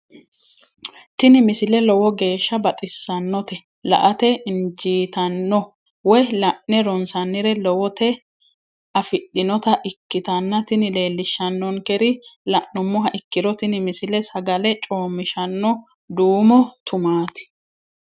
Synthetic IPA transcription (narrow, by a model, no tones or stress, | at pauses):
t̪ɪnɪmɪsɪlɛlɔwɔɡe̞ːʃːɐbɐt̪ʼɪsːɐnːɔt̪ɛ | lɐ̰ʔɐt̪ɛɪnd͡ʒiːt̪ɐnːɔ | wɔjlɐʔnɛɾɔnsɐnːɪɾɛlɔwɔt̪ɛ | ɐfɪɗːɪnɔt̪ɐʔɪkːɪt̪ɐnːɐt̪ɪnɪle̞ːlːɪʃːɐnːɔŋkɛɾɪlɐʔːʊmːɔɦɐʔɪkːɪɾɔt̪ɪnɪmɪsɪlɛsɐɡɐlɛt͡ʃʼo̞ːmːɪʃɐnːɔ | d̪uːmɔt̪ʰʊmaːt̪ɪ̥